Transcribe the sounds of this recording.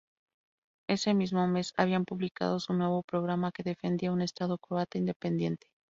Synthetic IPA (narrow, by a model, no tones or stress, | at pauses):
e̞se̞mizmome̞sa̰β̞iampuβlika̰ð̞o̞sunwe̞β̞o̞pɾo̞ɣ̞ɾamake̞ðe̞fe̞nd̪iaune̞st̪aðo̞kɾoat̪oind̪e̞pend̪je̞nt̪e̥